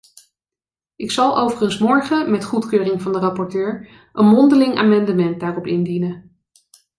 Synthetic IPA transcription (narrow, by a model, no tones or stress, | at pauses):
ʔɪksɑlˠowvəχənsmɔɹχəmɛtχutkøːrɪŋvɑndərɑpɔɹtøːɹ | ʔənmɔndəlɪŋa̰ːmɑndəmɛnt̚daːrɔpɪndinə